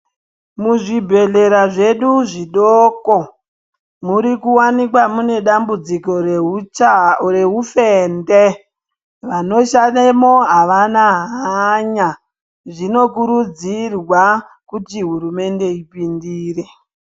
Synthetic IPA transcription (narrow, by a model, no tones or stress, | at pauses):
muʐibʱe̞ɮe̞ɾaʐe̞ɗuʐiɗoko | muɾikuwanik̬wamune̞ɗambud͡ziko̞ | re̞ɦufende | ʋano̞ʃanemo̞ɦaʋanaɦaɲa | ʐino̞kuɾud͡zirwa | kutiɦuɾume̞nde̞ipindiːre